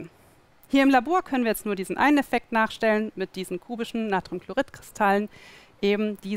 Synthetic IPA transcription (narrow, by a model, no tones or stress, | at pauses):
hiːɐɪmlaboːɐkʰœnənviːɐjɛt͡stnuːɐdiːzn̩ʔa̰ɪnənɛfɛk̚tnaːχʃtɛlənmɪt̚d̥iːzn̩kʰuːbɪʃn̩nːaːtʁ̥umkʰl̥oʁɪtkʁ̥ɪstʰalən | ʔeːbm̩d̥iː